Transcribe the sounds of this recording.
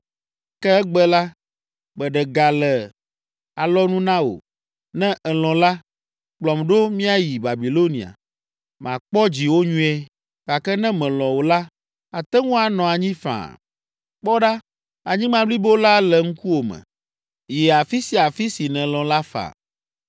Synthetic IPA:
kɛ˦ɛ˦ɡ͡bɛ˦la˦ | bɛ˨ɖɛ˨ɡa˨lɛ˨ | a˨lɔ˦nũ˦nã˦wo̰˨ | nɛ̃˦ʔɛ˨lɔ̃˨la˦ | k͡plɔ˨mɖo˦mĩ˦a˦ji˨ba˨bi˨lo˦nḭ̃˨a̰˨ | mã̰˨k͡pɔ˦d͡ʑi˨wo˦ɲũ˦ɛ˦ | ka˨kɛ˦nɛ̃˦mɛ̃˨lɔ̃˨wo˨la˦ | a˨t̪ɛ˦ŋũ˦a˨nɔ̃˨a˨ɲĩ˦fã̰˨ | k͡pɔ˦ɖa˦ | a˨ɲĩ˦mã˦bli˦bo˦la˦lɛ˨ŋ̩˦ku˦wo˨mɛ̰̃˨ | jɛ˨a˨fi˦si˨a˨fi˦si˨nɛ̃˨lɔ̃˨la˦fa̰˨

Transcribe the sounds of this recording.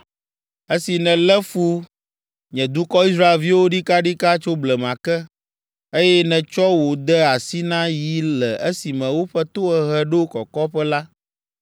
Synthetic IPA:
e˦si˨nɛ̃˨lɛ˦fu˦ | ɲɛ̃˨d̪u˦kɔ˦i˦s̬ɾa˦e˨lvi˦wo˦ɖi˦ka˦ɖi˦ka˦t͡ʃo˦blɛ˨m˨ã˨kɛ˦ | e˦jɛ˦nɛ̃˨t͡ʃɔ˦wo˨d̪ɛ˦a˨si˦nã˦ji˦lɛ˨ʔe˦si˨mɛ̃˨wo˦ɸɛ˦t̪o˦ɛ˨ɦɛ˦ɖo˦kɔ˨kɔ˦ɸɛ˦la˦

